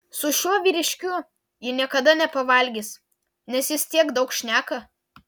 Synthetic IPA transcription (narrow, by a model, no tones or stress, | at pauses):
sʊʃʲuɔʋʲiːɾʲɪʃʲkʲʊ | jɪnʲiɛkɐd̪ɐnʲɛpɐʋɐlʲɡʲis | nʲɛsjɪst̪ʲiɛɡd̪ɒʊkʃʲnʲæːkɐ